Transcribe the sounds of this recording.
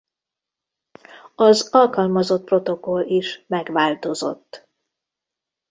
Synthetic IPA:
ɒzɒlkɒlmɒzo̞t̪̚pro̞t̪o̞ko̞liʃmɛɡʋaːlt̪o̞zo̞̰t̪ː

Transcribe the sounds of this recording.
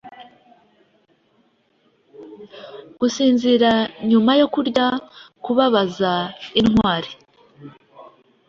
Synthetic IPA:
ɡ̥usiːnziɾaɲumajo̞kuɾɟakuβaβazainŋwaːɾi

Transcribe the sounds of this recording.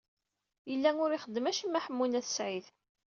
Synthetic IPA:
jəlːæŋʊɾiχəd̪ːəmæʃimːæħəmːunæθə̥sʕiθ

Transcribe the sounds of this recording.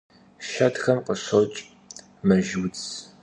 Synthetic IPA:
ʃɐtxɐmqəɕot͡ʃʼ | mɐʒwt͡s

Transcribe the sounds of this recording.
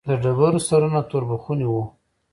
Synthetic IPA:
laɖabaɾosaɾanat̪oɾbaxunewu

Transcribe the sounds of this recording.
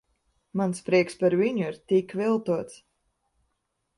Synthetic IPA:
manspɾiɛkspaɾviɲuiɾt̪ikvilˠt̪uɔt̪s

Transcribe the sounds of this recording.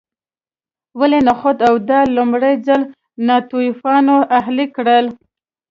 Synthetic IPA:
walenaxod̪awd̪ɑlʊmɽəjzal | nɑt̪ujfɑnoaɦlikɽəl

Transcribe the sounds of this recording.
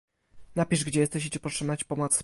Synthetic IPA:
napʲiʐɡd͡ʑɛjɛst̪ɛɕit͡ɕɛpɔtʂɛmnat͡ɕpɔmɔt̪s

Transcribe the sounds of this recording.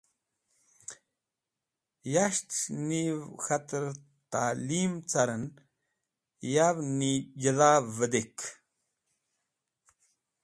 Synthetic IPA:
jaʂt̪nixat̪əɾ | t̪aːlimt͡saɾən | jaβnijəðavəd̪ek

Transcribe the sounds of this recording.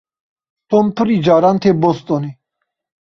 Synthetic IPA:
t̪ʰɔnpʰəɾid͡ʒaɾant̪ʰɛbɔst̪ʼɔni

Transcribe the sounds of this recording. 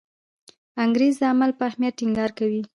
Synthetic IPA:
aŋɡɾezd̪əamalpəahmjat̪̚ʈːɪŋɡɑɾkawi

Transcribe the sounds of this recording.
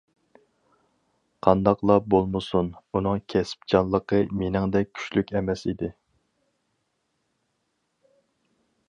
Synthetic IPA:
qʰɑnd̪ɑqlˠɑbolˠmɨsununɨŋkʲʰɛsɪ̥pd͡ʒɑnlˠːəqʰəmenɪŋd̪ɛk̚ʲʰy̥ʃlykʲɛmɛsid̪ɪ

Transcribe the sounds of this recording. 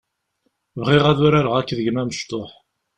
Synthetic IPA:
vʁɪʁæðuɾaɾəʁækːðəʝmæməʃt̪oħ

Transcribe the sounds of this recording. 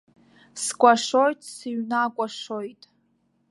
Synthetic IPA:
skʷʼaʂojtʼsiɥnakʷʼaʂojtʼ

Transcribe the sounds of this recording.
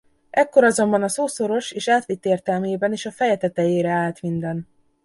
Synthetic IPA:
ɛkːo̞ɾɒzo̞mbɒnɒsoːso̞ɾo̞ʃeːʃaːt̪ʋit̪ːeːrt̪ɛlmeːbɛniːʃɒfɛjɛt̪ɛt̪ɛjeːɾɛaːlt̪mind̪ɛn

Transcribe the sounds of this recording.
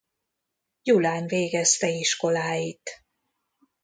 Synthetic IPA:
julaːnveːɡɛst̪ɛiʃko̞laːjit̪

